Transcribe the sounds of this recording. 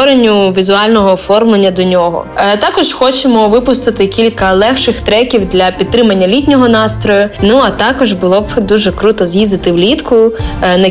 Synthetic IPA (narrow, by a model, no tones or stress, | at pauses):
ɔɾenʲːʊʋʲizʊɑlʲnɔɦɔːfɔrmlˠenʲːɐd̪ɔnʲɔɦɔ̰t̪ɑkɔʒxɔt͡ʃemɔʋɪpʊst̪ɪt̪ɪkʲilʲkɐlˠɛxʃɪxt̪ɾɛkʲiwd̪lʲɐpʲit̪t̪ːɾɪmɐnʲːɐlʲitʲnʲɔɦɔnɑst̪ɾɔjʊnuɐt̪ɑkɔʒbʊlˠɔbd̪uʒɛkɾut̪ɔzjizd̪ɪt̪ɪwlʲit̪kʊnɐ